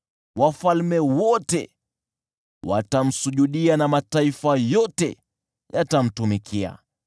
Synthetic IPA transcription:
wafalmɛwɔtɛ̰ | wa̰tam̩suʄuɗianamataifajɔtɛ̰ | jatam̩tumikʰia̰

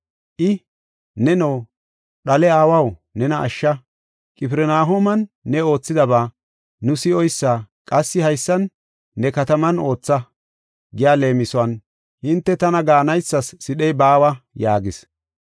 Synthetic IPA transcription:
ʔɪ | nɛnow | ɗɐlɛaːwɐwnɛnɐʔɐ̰ʃːɐ | kʼɪpɪɾɛnaːɦomɐnːɛo̞ːt͡sːɪd̪ɐbaː | nʊsɪɔjsːaːkʼɐsːɪhɐjsːɐnː | ɛkɐt̪ɐmɐno̞ːt͡sːɐ | ɡɪjaːle̞ːmɪsɔɐn | hɪnt̪ːɛt̪ɐnɐɡaːnɐjsːɐsːɪɗɛjbaːwɐjaːɡɪs

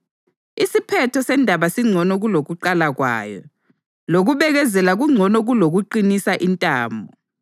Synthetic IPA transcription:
isipʰɛtʰɔsɛndʱaβasiŋ͡ǀʱɔnɔɣuloɣuǃalaɣwa̰ːjɔ̰ | loɣuβɛɣɛzɛlaɣuŋ͡ǀʱɔnɔɣuloɣuǃinisaʔintʼaːmbʱɔ

